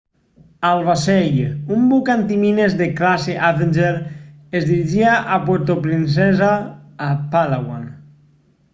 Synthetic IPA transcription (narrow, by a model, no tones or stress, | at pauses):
alˠβasejumbukant̪iminezðeklaseʔavend͡ʒeɾ | ezðiɾiʒiaʔapweɾt̪opɾins̬ɛzaː | paðawa̰n